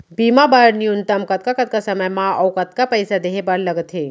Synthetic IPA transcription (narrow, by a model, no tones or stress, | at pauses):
bimabaɾnijunt̪ɐmkɐt̪̚kakɐt̪̚kasɐməjmãɐwkɐt̪̚kapəjsad̪eɦebɐɾləɡət̪ɦe